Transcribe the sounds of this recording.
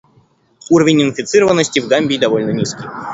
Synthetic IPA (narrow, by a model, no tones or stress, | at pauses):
uɾəvʲɪnʲɪnfʲɪt̪sɨɾəvənːəsʲtʲɪvɡamʲbʲijd̪ɐvolʲnənʲiskʲij